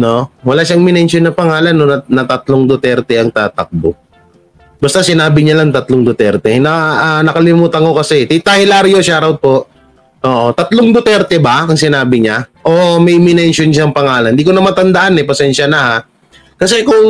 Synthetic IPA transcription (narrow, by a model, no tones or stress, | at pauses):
no̞wɐlaːʃaŋmɪnɛnʃonːɐpɐŋaːlɐnːonɐnɐt̪ɐt̪loŋd̪ot̪ɛɾt̪ɛʔɐŋt̪aːt̪ɐk̚bo | bɐst̪asɪnaːbɪɲalaŋt̪ɐt̪loŋd̪ot̪ɛɾt̪ɛnɐnɐkɐlɪmuːt̪ɐŋkokɐsɛt̪it̪ahɪlaːɾjoʃaɾawd̪̚po̞ʔ | ʔoːʔot̪ɐt̪loŋd̪ot̪ɛɾt̪ɛbɐɐŋsɪnaːbɪɲaʔoʔmɛjmɪnɛnʃonʃaɐŋpɐŋaːlɐnd̪iːkonɐmaɐnt̪ɐnd̪ɐʔanɛpɐsɛnʃɐnɐha | kɐsɛkʊŋ